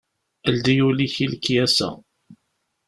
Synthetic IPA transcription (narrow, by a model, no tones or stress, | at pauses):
əld̪ijuliçilkːjæsæ̰